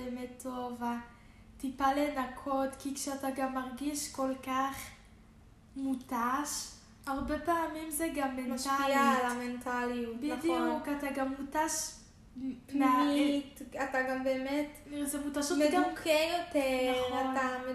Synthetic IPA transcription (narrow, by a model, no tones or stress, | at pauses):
eemetʰːova | tipalenakʰotkikʃeataɡamːaʁɡiʃkolkaχ | mutaʃ | aʁbepaːmimzeɡamːenmatʃailalamentʰaliutbidijukataɡamːutaʃ | paaitataɡambeːmetzemutaʃutmeɡukʰejoteaame